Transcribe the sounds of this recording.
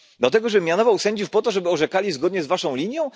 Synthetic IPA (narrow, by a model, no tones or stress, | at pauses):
d̪lat̪ɛɡɔʐɛmʲjanɔvawsɛɲd͡ʑufpɔt̪ɔʐɛbɘɔʐɛkalʲizɡɔd̪ɲɛzvaʂɔ̃w̃lʲiɲjɔ̃w̃